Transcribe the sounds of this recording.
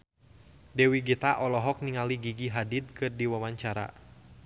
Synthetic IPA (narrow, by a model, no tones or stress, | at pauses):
dɛwiɡit̪aʔɔlɔɦɔk̚niŋaliɡiɡiɦadid̪̚kɨrdiwawaɲt͡ʃaɾa̰